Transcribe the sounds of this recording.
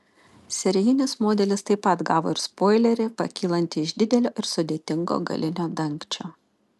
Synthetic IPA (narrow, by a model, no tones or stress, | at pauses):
sʲɛɾʲɪjɪnʲɪsmoːd̪ʲɛlʲɪst̪ɐɪpɐt̪ɡɑːʋo̰ːɪɾspoːɪlʲɛɾʲɪpɐ̰kʲiːlˠɐnʲt̪ʲɪɪʒd̪ʲɪd̪ʲɛlʲoːʔɪɾsʊd̪ʲeːt̪ʲɪŋɡo̰ːɡɐ̰lʲʔɪnʲoːd̪ɐŋʲˑkt͡ʃʲoː